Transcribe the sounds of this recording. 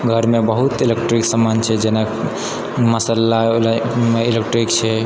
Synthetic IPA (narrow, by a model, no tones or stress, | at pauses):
ɡʱəɾmebəɦut̪ilekʈɾiksamant͡ʃʰɛd͡ʒena | məsəlːalmeilek̚ʈɾik̚t͡ʃʰɛ